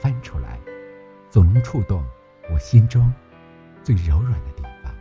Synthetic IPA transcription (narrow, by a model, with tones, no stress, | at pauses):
fa˥nʈ͡ʂʰu˥la̰˧˥ɪ | t͡so˨˩nɤ˧˥ŋʈ͡ʂʰu˥˧t̪ʊ˥˩ŋ | wɔ˨˩ɕi˥nʈ͡ʂʊ˥ŋ | t͡swe˥˩ɪɻo˧˥ʊɻwa˨˩nd̪ə˦t̪i˥˩fɑ̰˨˩˦ŋ